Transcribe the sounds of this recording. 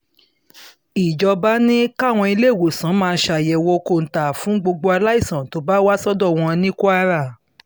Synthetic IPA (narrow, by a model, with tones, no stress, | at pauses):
i˨d͡ʒɔ˧ba˦nĩ˦ka˦˨w̃ɔ̃˧i˧le˦˨wo˨sã˨˦mãː˧˦ʃa˧˨jɛ˨wɔ˧ko˦˨n̩˨ta˨fũ˨˦ɡ͡bo˧ɡ͡bo˧a˧la˦i˦˨sã˨to˨˦ba˦wa˦sɔ˦dɔ˦˨w̃ɔ̃˧nĩ˦ko˦a˧˦ɾa˦˨